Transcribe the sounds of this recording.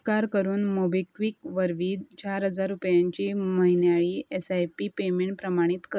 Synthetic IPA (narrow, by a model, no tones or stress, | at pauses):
kaɾkəɾuːnmobekʋiːkʋəɾʋiːd̪t͡ɕaɾɦəd͡zaɾːupjaɲt͡ɕiːməɦinjaɭiːesajpipemeɳʈpɾəmaɽ̃it̪kə